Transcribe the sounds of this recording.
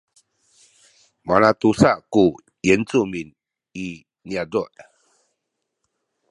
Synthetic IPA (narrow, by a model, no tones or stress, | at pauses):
manat̪usaku | jent͡sumin | i | njad͡zuʔ